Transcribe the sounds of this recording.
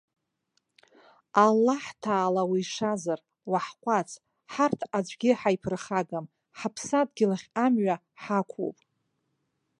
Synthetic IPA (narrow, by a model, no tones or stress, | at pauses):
alːaħtʰaːlawiːʂazar | waħqʷʼat͡sʰʼ | ħartʰad͡ʒʷʼɡʲɪħajpʰrχaɡam | ħapʰsad̚ɡʲɪlaχʲamɥa | ħakʷʰo̰pʼ